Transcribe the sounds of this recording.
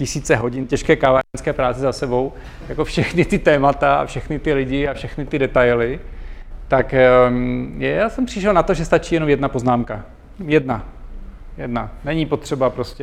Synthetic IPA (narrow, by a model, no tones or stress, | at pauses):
cɪsiːt͡sɛɦo̞ɟɪncɛʃkɛːkavaːɾɛnskɛːpɾaːt͡sɪzasɛbo̞w | jako̞fʃɛxnɪt̪ɪt̪ɛːmat̪aa̰fʃɛxnɪt̪ɪlɪɟɪafʃɛxnɪt̪ɪdɛt̪ajlɪ | t̪ak | jaːsɛmpr̥ɪʃɛlnat̪o̞ʒɛst̪at͡ʃiːjɛno̞mjɛdnapo̞znaːmka̰ | jɛdna | jɛdnanɛɲipo̞t̪r̥ɛbapɾo̞scɛ